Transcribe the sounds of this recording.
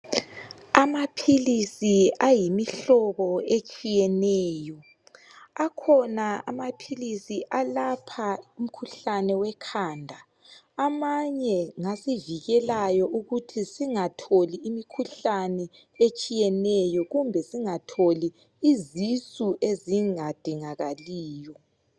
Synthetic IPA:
amapʰilisiajimiɬɔβɔet͡ʃʼijɛnɛːjɔ | akʰɔnaa̰mapʰilisiʔalapʰaum̩kʰuɬanɛwɛkʰaːndʱaː | maɲɛŋasiviɣɛlajɔʔuɣutʰisiŋatʰoliːmikʰuɬanɛ | et͡ʃʼijɛnɛjɔɣumbʱɛsiŋatʰoliː | zisʼuʔeziŋad̥ʱiŋaɣaliːjɔ

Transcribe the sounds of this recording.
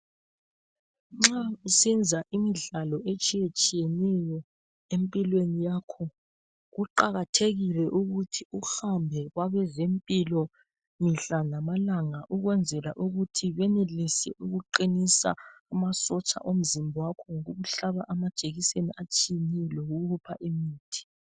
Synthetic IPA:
ŋ͡ǁausind͡zʱaʔimiɮalɔʔet͡ʃʼijet͡ʃʼijɛnɛjɔ | empʼilwenijakʰɔ | ɣuǃaɣatʰeɣilɛʔuɣutʰiuhambʱɛɣwaβɛzempʼilɔ | miɬanamalaŋaʔuɣwɛnd͡zʱɛla̰ʔuɣutʰiβɛnelisɛ̰ʔuɣuǃinisa̰ːmasɔt͡ʃʼa̰ʔom̩zimbʱɔwakʰɔŋoɣuβuɬaβaʔamad̥ʒ̥ʱeɣiseniʔat͡ʃʼijeniloɣuɣupʰa̰ʔimiːtʰi̥

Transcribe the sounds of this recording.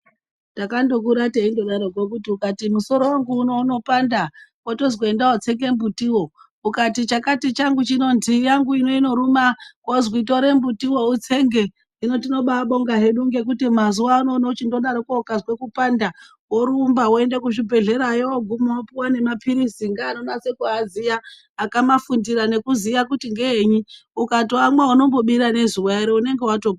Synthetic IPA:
takando̞k̬uɾateindo̞ɗaɾoɡwok̬utiukatimuso̞ɾo̞waŋɡuːno̞uno̞pandawotozwoendawot͡se̞ŋɡe̞mbutiwo̞ | ukatit͡ʃakatit͡ʃaŋɡut͡ʃinondijaŋɡuino̞ino̞ɾumakwozwito̞ɾembutiwo̞ut͡seŋɡe̞ | ino̞tino̞ɓaɓo̞ŋɡaɦe̞ɗuŋɡe̞k̬utimazuwaːno̞not͡ʃindo̞ɗaɾokokazwe̞kupanda | woɾumbaɦwoe̞nde̞kuʃibʱe̞ɮe̞ɾajooɡʱumoopiwane̞mapʰiɾisiŋɡaːnonase̞kuazijaː | kamafundiɾane̞kuzijakutiŋɡeeɲiukatoamwauno̞mbo̞ɓiɾane̞zuweɾeune̞ŋɡe̞wato̞ɡ

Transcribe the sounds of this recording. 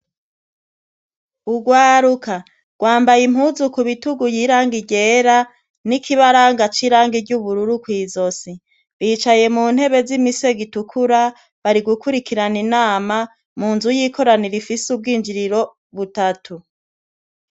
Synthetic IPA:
uɡwaːɾuka | ɡ̥waːmbajim̥huːzukuβituɡujiːɾaːŋɡiɟeɾa | nikʰiβaɾaːŋɡat͡ʃiɾaːŋɡiɟuβuɾuɾukwiːzo̞si | βiːt͡ʃaje̞muːn̥he̞βe̞zimise̞ɡitukʰuɾa | βaɾiɡukuɾikiɾaninaːma | muːnzujiːkʰo̞ɾaniɾifisub̚ɡiːnd͡ʒiɾiɾo̞ | βutatʰu

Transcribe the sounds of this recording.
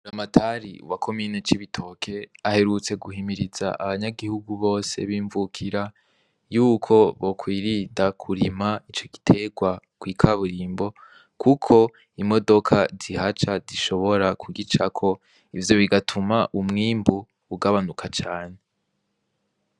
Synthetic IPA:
uɾamatʰaɾḭwakʰo̞miːnet͡ʃiβitʰo̞ːkʰe̞ahe̞ɾut͡se̞ɡuhimiɾiza̰ʔaβaɲaɡihuɡuβo̞ːse̞̰βiːɱvukʰiɾa | juːkʰo̞βo̞kwiːɾidakʰuɾimait͡ʃo̞ɡi̥tʰe̞ɡwakwiːkʰaβuɾiːmbo̞ | kʰukʰo̞ | imo̞do̞kʰazihat͡ʃaziʃo̞βo̞ɾakʰuɡit͡ʃakʰo̞ | ivjo̞βiɡatʰumaʔumŋiːmbuː | ɡaβanukʰat͡ʃaːne

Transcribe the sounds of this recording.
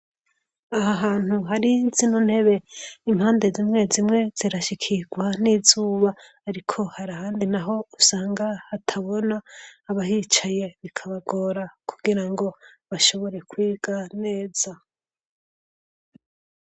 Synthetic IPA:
aɦaɦaːn̥huɦaɾizinunhe̞βe̞im̥haːnde̞zimŋe̞zimŋe̞z̥iɾaʃikʰiɡwaniːzuːβaː | ɾikʰo̞haɾahaːndinaɦo̞usaːŋɡahːtʰaβo̞naːβaɦit͡ʃaje̞βikʰaβaɡo̞ːɾakʰuɡiɾaŋɡo̞βaʃo̞βo̞ɾe̞kwiːɡ̥ane̞ːz̥a

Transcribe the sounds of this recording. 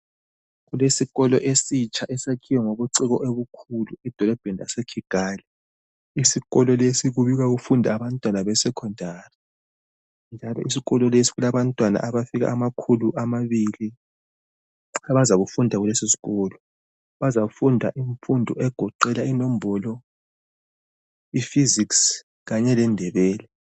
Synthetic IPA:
ɣulesiɣɔlɔʔesit͡ʃʰaʔɛsekʰiwɔŋoβuǀiɣɔʔeβukʰuluid̥ʱɔlɔb̥ʱɛnasekʰiɡ̥ʱaːli | isiɣɔlɔlesiɣuβiɣaɣufundʱaːβantʼwanaβɛsɛkʰɔndʱaːri | nd͡ʒʱalɔ̰ʔisiɣɔlɔlesi̥ɣulaβantʼwana̰ʔaβafiɣa̰ʔamakʰuluʔamaβili | aβazaɣufundʱaɣulesisi̥ɣɔːlɔ | βazafundʱa̰ʔiɱfundʱɔʔɛɡ̥ʱɔǃɛlainom̩bɔlɔ | ifiziks | ɣaɲɛlɛndʱɛβɛːlɛ

